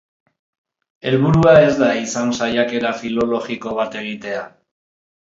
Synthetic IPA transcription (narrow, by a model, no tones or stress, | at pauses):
e̞lβuɾuae̞zd̪aisansajake̞ɾafilo̞lo̞xiko̞βat̪e̞ɣ̞it̪e̞a